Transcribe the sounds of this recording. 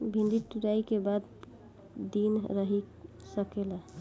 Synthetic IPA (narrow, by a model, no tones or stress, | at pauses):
bʱĩnd̪iʈuɾajkebad̪ | d̪inɾəɦi | səkela